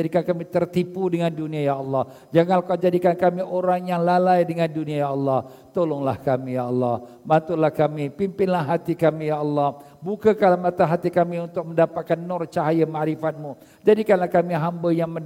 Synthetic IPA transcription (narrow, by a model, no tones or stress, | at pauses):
adikankamit̪ərt̪ipudəŋanduniajaʔɑlːɑh | d͡ʒaŋanlakad͡ʒadikankamiʔoɾaŋjaŋlalajdəŋanduniajaɑlːɑh | t̪olɔŋlahkamijaɑlːɑh | bant̪ulahkamipimpɪnlahɦat̪ikamijaʔɑlːɑh | bukakalamat̪aɦat̪ikamiunt̪ʊk̚məndapat̪̚kanːɔrt͡ʃaɦajamaʔɾifat̪̚mu | d͡ʒadikanlahkamiɦambəjaŋmə